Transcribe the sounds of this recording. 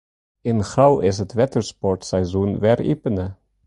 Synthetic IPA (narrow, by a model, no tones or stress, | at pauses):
ɪnχrɑwɪs̬ɦətʋɛtəɹspɔɹtsɛjzunʋɛrḭpənə